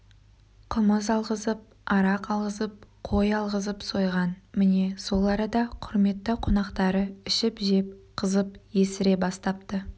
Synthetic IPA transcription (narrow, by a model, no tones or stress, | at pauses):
qʰəməzɑlˠʁəzəp̚ | ɑɾɑqɑlˠʁəzəp̚qʰo̞jɑlˠʁəzəpso̞jʁɑnmɪne̞so̞lˠɑɾəd̪ɑqʰʊɾme̞t̪ːɪqʰonɑqt̪ɑɾəɪʃɪpʒep̚qʰəzəpje̞sɪɾe̞bɑst̪ɑpt̪ə